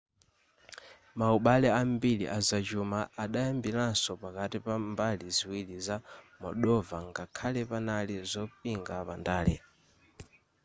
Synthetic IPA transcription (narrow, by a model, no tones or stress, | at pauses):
mauɓalɛambilḭʔazad͡ʒumaaɗajambilansɔpakatipambaliziwilizamɔ̰ɗɔvaŋɡakʰalɛpanalizɔpiŋɡapandaːlɛ̰